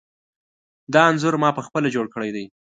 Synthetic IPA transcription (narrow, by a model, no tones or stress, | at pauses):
d̪ɑanzʊɾmɑpəxpəlad͡ʒoɽkəɽajd̪aj